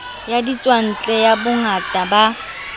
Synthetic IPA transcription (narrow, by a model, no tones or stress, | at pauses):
jadit͡sʼwan̩t͡ɬʼɛjabʊŋatʼaba